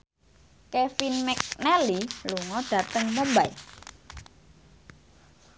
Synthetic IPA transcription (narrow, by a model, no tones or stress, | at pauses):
kɛfinmɛk̚nɛliluŋɔɖ̥a̤t̪əŋməmbai